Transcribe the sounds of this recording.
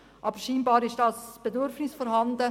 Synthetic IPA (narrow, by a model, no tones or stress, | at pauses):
ʔɑbəɾʃiːnbɑːɾɪʃd̥ɑsb̥edʏɾfnɪsfɔɾɦɑnd̪ə